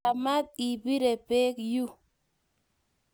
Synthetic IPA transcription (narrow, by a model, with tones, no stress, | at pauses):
a˨ma˦t̪̚i˨bi˦ɾe˨pe˦kju˦